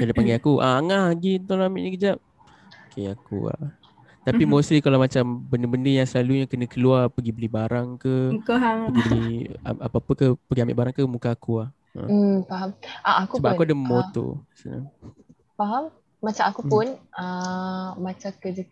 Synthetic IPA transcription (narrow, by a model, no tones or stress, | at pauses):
kadapaŋɡajakuʔa̰aŋaɦaɡit̪olamiʔɲəkəd͡ʒap̚ | okeakṵa̰ | t̪apimosɾikalamat͡ʃambəndəbəndəjaŋsəlaluɲakənə̃kəluarpəɡibəlibaɾaŋkəmkaɦaŋəɡibəlia̰apaapəkəhpəɡiamɪ̰ʔbaɾaŋkəmukaːkuah | ə̰faɦamʔaakuəbaʔkuadamot̪o̰sa̰na̰ | faɦam | mat͡ʃamakupʊna | mat͡ʃakəd͡ʒə